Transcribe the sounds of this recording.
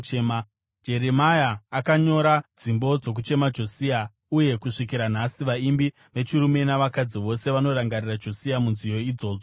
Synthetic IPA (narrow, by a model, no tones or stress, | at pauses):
ma | d͡ʒe̞ɾemajaːkaɲo̞ɾad͡zimbo̞d͡zo̞k̬ut͡ʃe̞mad͡ʒo̞sia | uje̞kuʂikiɾan̤asiʋaimbi | ʋe̞t͡ʃuɾume̞naʋakad͡ziʋo̞se̞ʋano̞ɾaŋɡarirad͡ʒo̞siamunzijo̞id͡zo̞ːd͡zo